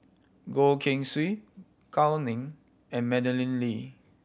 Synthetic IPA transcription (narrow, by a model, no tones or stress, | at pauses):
ɡolkʰɪ̃ŋswi | kʰawnĩŋ | ɛ̃nmɛdəlĩnli